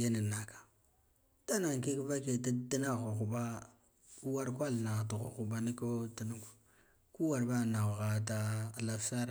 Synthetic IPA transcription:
je˦ni˨na˨kḁ˨ | ta˦na˨ŋ˨ki˦kva˦ke˨ti˦di˦na˦˨ɣo˨ɣu˨ba˦ | ku˦wa˦ɾkʷa˦lna˨tu˨ɣṵ˨xu˨ba˦ni˦ko˦ti˨nu˦ɡu˨ | ku˦wa˨ɾba˦˨na˨ɣɣa˨ta˦˨la˨sa˦ɾ

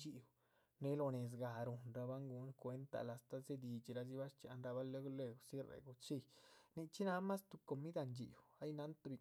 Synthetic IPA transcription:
t͡ʃi˨w | ne˦lo˧ne˨s̬ɡa˨ɾu˨nɾa˧ba˦ŋɡu˧˦nkʷe˧˦nt̪a̰˧la˨st̪a˧ze˦d̪i˧t͡ʃi˨ɾa˧zi˧˦βa˦ʂt͡ʃa̰˧˦nɾa˧βa˦le˦ɡle˧ɡsi˦ɾḛ˨ɡu˧t͡ʃi˦˧˨ni˧t͡ʃi˦na˦ma˦st̪u˧ko˧mi˦d̪a˧nd͡ʒḭ˨wa˦jna˦nt̪u˧bi˧

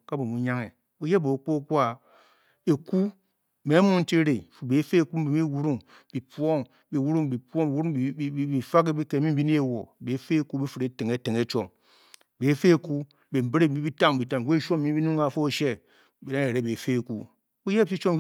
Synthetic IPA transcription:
ka˦bo˨mu˨ɲa˦ŋe˨ | bu˦je˦bo˨k͡po˦kʷu˦a˨ | e˨ku˦ | me˨˦mu˦n̩˦te˦ɾe˨fu˨be˨˦fe˦e˨ku˦m̩˦bi˨mi˦wu˦ɾu˦ŋ | b̥i˨pwo˦ŋ | bi˨wu˦ɾu˦ŋbi˨po˦ŋ˨i˨wu˦ɾu˦˨˦bi˨fa˦ke˦bi˦ke˨mi˦m̩˦bi˦ni˦e˦wo˨be˨˦fe˦e˦ku˦bi˦fi˨ɾe˨˦te˨ŋe˨˦te˨ŋe˨t͡ʃo˨m˨ | be˨˦fe˦e˨ku˦ | be˨m̩˨be˦ɾe˦˨˦i˦bi˦ta˦m˨bi˨ta˨m˨we˦ʃo˦m˨mi˦bi˦nu˦ŋka˨fo˦˨ʃe˦ | bi˨ɾa˦ne˨ɾe˨be˨fe˦e˨ku˦ | bu˦je˦˨t͡ʃi˦t͡ʃo˦m˦

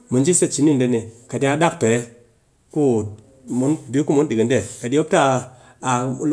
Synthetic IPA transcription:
mu˨nd͡ʒi˦se˦t͡ʃi˨˦ni˦nde˦ni˨ka˨di˦a˨˧ɗa˦k̚pe˨˦ | ku˦ | mu˨˦nbi˦ku˦mu˨˦ndi˨ɡi˨nde˦˨ka˨di˦o˦p̚taː˦˨˦ | l

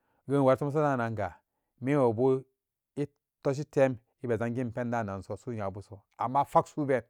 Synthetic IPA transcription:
ɡə˦n˨wa˨ɾto˦m˦s̬o˦na˦˨na˨ŋɡa˨ | mi˦wo˨bu˦ | i˦ | to˦ʃ̬i˦te˦m | i˦be˨za˦ŋɡi˦m˨pe˦nda˦˨na˨n˨so˨su˦ɲa˨bu˦so˨ | a˨mːa˦fa˦ksu˦be˨n

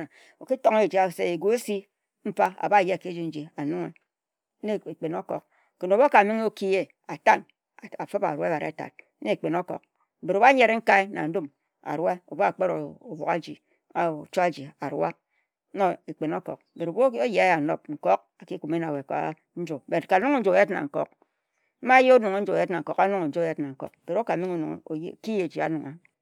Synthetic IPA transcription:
o˨ki˦to˦ŋe˦˨d͡ʒi˨a˨sḛ˦e˨ɡu˦e˦si˦ | m̩˦fa˦a̰˨ba˦˨jke˦d͡ʒi˦n̩˦d͡ʒi˨a˨nu˦ŋḛ˨˦ | e˦e˨k͡pe˨no˦kɔ̰˨k̚ | ke˨no˨bo˦ka˨mi˦ŋ˦o˦ki˦e˦ | a˨ta˦˨n˨ | a˨fɨ˦ba̰˨ɾwa˦ba˨ɾḛ˨ta̰˨t̚ | ne˦e˨k͡pe˨no˦kɔ̰˨k̩̚˨ | be˨ɾo˨ba˦ɲe˦ɾe˦ŋ̩˦ka˦i˦na̰˨n̩˦du˦m | a̰˨ɾa˦o̰˨bo˦a˨k͡pe˦ɾo˨o˨bo˨ka̰˦d͡ʒi˨˦˨ | t͡ʃo˦a˦d͡ʒi˨a˨ɾwa˦ | no˦e˨k͡pe˨no˦kɔ̰˨k̚be˨ɾo˨bo˦o˦je˨a˦ja˨no̰˦p̚ŋ̩˨ko˦k̚ | a˨ki˦ku˨me˦na˨we˨ka̰˦ | n̩˦d͡ʒo˨be˨ka˨nu˦ŋo˦n̩˦d͡ʒo˨e˦tna̰˨ŋ̩˨ko̰˦k̚ | m̩˦ma˦je˦o˦nu˨ŋo˦n̩˦d͡ʒo˨je˦tna˨ŋ̩˨ko˦˨ka˦nu˦ŋo˨n̩˨d͡ʒo˦˨je˦tna˨ŋ̩˨ko̰˨k̚be˨ɾo˦ka˨mi˦ŋo˦nu˨ŋ̰˨˦˨ki˦je˨d͡ʒi˨a˨˦nu˨ŋa˨

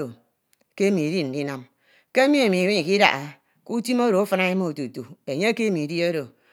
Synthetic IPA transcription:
o˨ | ke˦mi˨di˦n̩˨di˦na˨m | ke˦mi˦e˨mi˨wi˦ɲi˨ki˦da̰˨ʔa˨ | ku˦ti˦mo˦ɾo˨o˦fɨ˨˦na˦e˦mo˦o˨tu˨tu˨e˨ɲe˦ke˦mi˨di˦o˦ɾo˨

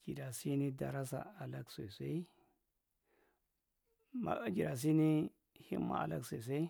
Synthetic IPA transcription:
d͡ʒ̥i˨da˨si˦ni˦da˨ɾa˦s̬a̰˨a˨la˦kse˨se˦i˦ | ma̰˨˦a˨d͡ʒi˨da˨s̬i˦ni˦ | hḭ˦mːa̰˦a̰˨la̰˦kse˨s̬e˦

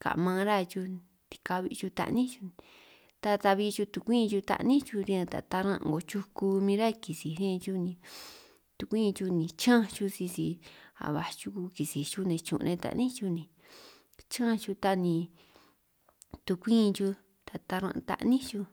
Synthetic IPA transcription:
ka̰˨mã˧ɾa˦˧t͡ʃu˧ | t̪i̥˧ka˧βi˧t͡ʃu˧t̪a̰˧ʔnĩ˦t͡ʃu̥˧ | t̪a˧t̪a˧βi˧t͡ʃu˧t̪u˧kʷĩː˦˧t͡ʃu˧t̪a̰˧ʔnĩ˦t͡ʃu˧ɾĩ˧ã˧t̪a̰˨t̪a˧ɾã˧ʔɡo˧t͡ʃu˧ku˧mĩ˧ɾa˦˧ki˨si˨ɾẽ˦˧t͡ʃu˦˧nĩ˧ | t̪u˧kʷĩ˦˧t͡ʃu˧nĩ˨˧t͡ʃã˦˧t͡ʃu˧si˧si˧a̰˨βa˨t͡ʃu˧ku˧ki˨si˨t͡ʃu˦nẽ˨˧t͡ʃṵ̃˧ʔnẽ˧t̪a̰˧ʔnĩ˦t͡ʃu˧nĩ˧˨ | t͡ʃã˦˧t͡ʃu˧t̪a˧nĩ˧ | t̪u˧kʷĩː˦˧t͡ʃu˧ | t̪a˨t̪a˧ɾã˧ʔt̪a̰˧ʔnĩ˦t͡ʃu˧

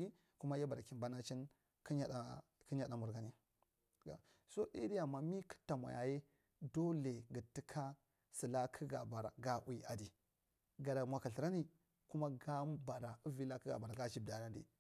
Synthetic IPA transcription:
i˦ | ku˦ma˦ja˦ba˨ɾa˨ki˨mba˦na˦t͡ʃi˦n | ki˦a˦ɗa˨ | ki˦ɲa˦ɗa˨mu˨ɾɡa˨ni˦ | a˨ | so˦ɗḭ˦di˦ja˨ma˨mi˦ki̥˦ta˨ma̰˨ja̰˨je˦ | do˦le˨ɡə˨ti˦kʰa˦ | si˨la˦kʰə˦ɡa˨ba˨ɾa̰˨ɡa˦ʔu˦i˦a˨di˨ | ɡa˨da˨mʷwa˨ka˨ɬi˨ɾa˦ni˦ | ku˦ma˦ɡa˦ba˨ɾa˨u˦vi˦la˦ki˦ɡa̰˨ba˨ɾa˨ɡa˦t͡ʃi˦b̚da˨na˦dḭ˨

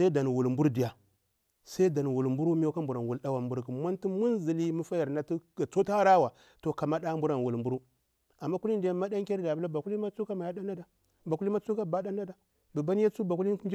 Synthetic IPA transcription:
sa˦i˦da˨n˨wu˨lmbu˦ɾdi˨ja˨ | sa˦i˦da˨n˨wu˨lmbu˦ɾu˦mi˦o˦ka˦mbu˨ɾa˨n˨wu˨lda˦wa˨mbu˨ɾɡi˨mʷ˦a˦nti˦mu˦nzi˨li˦mu˦fa˦ja˨ɾna˦ti˦a˨t͡so˦ta˦ɾa˦wa˨ | to˨ka˨ma˦ɗa˦mbu˦ɾa˨n˨wu˨lmbu˦ɾu˦ | a˨mːa˦ku˦li˦n˦di˨ja˦ma˦da˦ŋkʲa˦ɾda˨bu˦la˦ba˨ku˦li˦ma˦t͡su˦ka˦ma˨ja˦da˦na˦da˨ | ba˨ku˦li˦ma˦t͡su˦ka˦ba˦da˦na˦da˨ | bə˨ba˦n˦ja˦t͡su˦ba˨ku˦li˦n˦d͡ʒ

